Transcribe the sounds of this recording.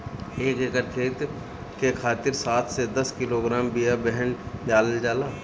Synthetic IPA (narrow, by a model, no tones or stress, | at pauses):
eːkekəɾkʰeːt̪ | kekʰaːt̪ɪɾsaːt̪ʰsed̪ɐskɪloɡɾaːmbijabɛɦənd͡ʒaːləld͡ʒaːlaː